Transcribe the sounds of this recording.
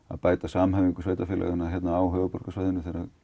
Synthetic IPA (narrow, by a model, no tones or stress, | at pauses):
a̰ðpaːjt̪asamhɛviŋkʏ̥sveːjt̪afɪːlʔa̰ɣɪnaçjɛt̪naaːwɦœːvʏpɔr̥kasvajðɪnʏθejɾa